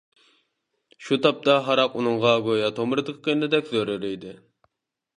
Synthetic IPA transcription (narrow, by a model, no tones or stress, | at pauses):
ʃut̪ʰɑp̚t̪ɑɦɑɾɑqunɨŋʁɑɡojɑt̪ʰomɾɨd̪əqʲʰə̥qʰejnɨd̪ɛkʲzøɾyɾɪjd̪ɪ